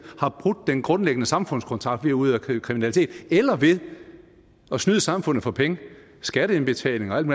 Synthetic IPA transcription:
hɑ̈b̥ʁuɡ̥̚ːenɡ̥ʁɔ̽nleɡ̥ənəsɑ̈mfɔ̽n̰skʰɒ̽nt͡sʰʁɑ̈ɡ̥̚d̥ʋeɐuð̰ˠækʰʁiminælit͡sʰe̝̰ːd̥elɐʋe̝ðˠ | ɒ̽snyð̞ˠəsɑ̈mfɔ̽n̰ð̩ˠfɒ̽pʰeŋə | sɡ̥æɾəenb̥e̝t͡sʰɛ̰ːle̝ŋɒ̽æl̰̥mu

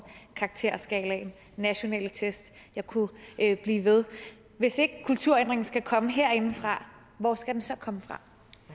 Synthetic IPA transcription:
kʰɑ̈ɡ̥̚t͡sʰe̝ɐ̰sɡ̥ɛ̰ːlæen | nːæɕo̝nɛ̰ːlət͡sʰesd̥ | jɑ̈ɪkʰub̥liːʋe̝ð̞ˠ | ʋe̝se̝ɡ̥əkʰult͡sʰuɐ̰end̥ʁeŋn̩sɡ̥ækʰɒ̽məɦe̝ɐ̰e̝nfʁɑ̈ | ʋɒ̰sɡ̥æd̥ensɒ̽kʰɒ̽məfʁɑ̈

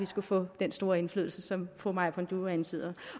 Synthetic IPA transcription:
ʋisɡ̥ufɔ̰̽ːd̥ensd̥o̝ːɐe̝nfly̰ðˠl̩səsɒ̽mfʰomɑ̈ɪ̰pʰɒnd̥uænsið̰ˠɐ

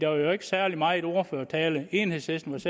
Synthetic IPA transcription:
d̥ɑʋɑ̈jo̝e̝ɡ̥ə̥sæɐli̥mɑ̈ːe̝d̥o̝ɐføɐ̰t͡sʰɛːləe̝ːnhe̝ðˠshesd̥n̩ʋɑ̈se

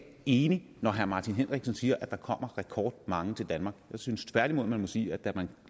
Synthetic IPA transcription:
e̝ːni | nɒɦæɐmɑ̈ːt͡sʰinɦenʁeɡ̥sɒnsiːɐʔæd̥ɑ̈kʰɒ̽m̰ɐʁɛkʰɒ̰ːd̥̚mɑ̈ŋət͡sʰe̝ld̥ænmɑ̈ːɡ̥jɑ̈ɪsynst͡sʰʋæɐd̥imo̝ð̰ˠmænmɔ̽sḭːæ̥d̥æmæn

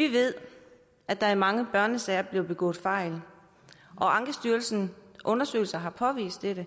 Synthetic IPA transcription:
ʋiʋe̝ð̞̰ˠ | æd̥ɑ̈æɐmɑ̈ŋəb̥ɶɐnəsɛɪɐb̥le̝ʊb̥e̝ɡ̥ɔ̰̽ːfɑ̈ɪl | ʔɒ̽ɑ̈ŋɡ̥əsd̥yːɐlsn̩ʔɔ̽nɐsø̰ːɪl̩sɐɦɑ̈pʰɒ̽ʋḭːsd̥eɾə

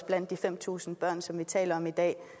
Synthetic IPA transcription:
sb̥læn̰d̥ːifem̰t͡sʰṵːsn̩b̥ɶɐ̰nsɒ̽mʋit͡sʰɛ̰ːlɐɒ̽mid̥ɛ̰ː

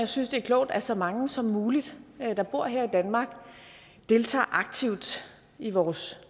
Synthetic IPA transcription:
jɑ̈ɪsynsd̥e̝æɐkʰlɔʊd̥æsɒ̽mɑ̈ŋəsɒ̽mːuːlid̥d̥ɑ̈b̥o̝ɐ̰ɦɛɐ̰id̥ænmɑ̈ːɡ̥ | d̥e̝lt͡sʰɑ̰̈ːʔɑ̈ɡ̥̚t͡sʰiʊ̰d̥ | iʋɒːs

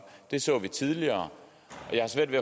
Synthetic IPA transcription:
d̥e̝sɔ̰ːʋit͡sʰið̞ˠliɐː | ʔɒ̽jɑhɑ̈sʋæɐ̰d̥ʋe

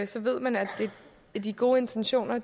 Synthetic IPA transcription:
sɒ̽ʋe̝ð̞̰ˠmænædd̥e̝ | æd̥iɡ̥o̝ːe̝nt͡sʰenɕo̝̰ːnɐ

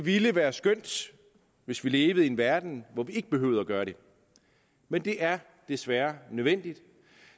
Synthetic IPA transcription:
eʋiləʋæːɐsɡ̥øn̰d̥ | ʋe̝sʋile̝ːʋð̞̩ˠienʋæɐd̥n̩ʋɒʋie̝ɡ̥əb̥e̝ɦøːʊð̩ˠæɡ̥ɶːɐɾ̥e̝ | mend̥e̝ʔæɐ | d̥esʋæːɐnøðˠʋen̰d̥id̥

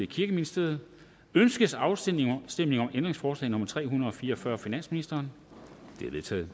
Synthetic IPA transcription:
ekʰiɐɡ̥əminisd̥e̝ð̩ˠ | ønsɡ̥əsɑ̈ʊssd̥emne̝ŋɒ̽mʔend̥ʁeŋsfɒːslɛ̰ːno̽mɐt͡sʰʁɛ̰ːhunɐð̩ˠɒ̽fiːɐɒ̽fɶɐfinæn̰sminisd̥ɐːn | d̥e̝ɐʋet͡sʰɛ̰ːð̩ˠ

